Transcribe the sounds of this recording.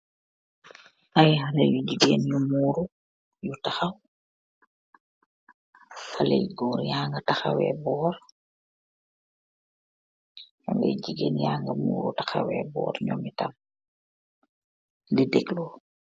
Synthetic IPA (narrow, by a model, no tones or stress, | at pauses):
ʔajhalɐjuɟiɡeːnjumuːɾu | jutaxɐw | falɛjɡɔːɾjaːŋɡɐtaxɐwɛ̰ːbɔːɾ | jɔŋɡɛ̰jɟiɡeːnjaːŋɡɐmṵːɾutaxɐ̰wɛ̰bɔ̰ːɾɲɔmitɐm | lidɛklo